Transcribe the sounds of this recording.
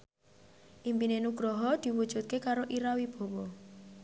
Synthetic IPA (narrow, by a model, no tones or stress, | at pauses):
ʔimpinenuɡ̥ɾɔɦɔd̪̥i̤wud̥ʒ̥ṳt̪̚kekaɾoʔiɾawib̥ɔ̤wɔ